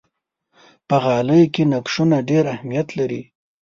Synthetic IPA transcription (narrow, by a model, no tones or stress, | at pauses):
pəɣɑləjokenakʂunaɖeɾahmijat̪laɾi